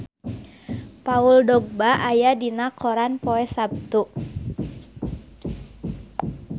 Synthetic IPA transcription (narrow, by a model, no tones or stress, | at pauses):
pauldɔɡ̚baʔajadinakɔɾanpɔɛsab̚t̪uʔ